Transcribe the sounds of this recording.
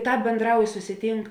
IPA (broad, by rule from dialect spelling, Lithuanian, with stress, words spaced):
ˈtɑːp bʲeːnˈdrɐʊj sʊsʲɪˈtʲiːŋk